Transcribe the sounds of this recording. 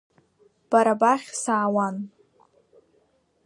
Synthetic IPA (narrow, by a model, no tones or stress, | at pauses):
b̥aɾabaχʲsaːwan